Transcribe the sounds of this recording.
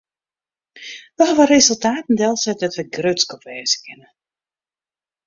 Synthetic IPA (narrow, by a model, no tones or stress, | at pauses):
dɔɦaʋərezəlˠtaːtn̩dɛlˠsɛt̚dɔtʋəɡrøtskɔpʋɛːzə̥kʰɪnə